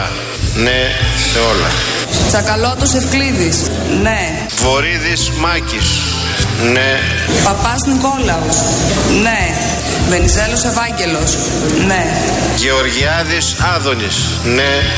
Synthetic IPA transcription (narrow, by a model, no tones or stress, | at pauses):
neeo̞lɐ̰ | t͡sɐkɐlot̪ose̞fkliðis | ne | vo̞ɾiðismɐcis | ne | pɐpɐsniko̞lɐusne̞ | ve̞nizelose̞vɐɲɟe̞lo̞s | ne | ʝeoɾʝiɐðisɐðo̞nis | ne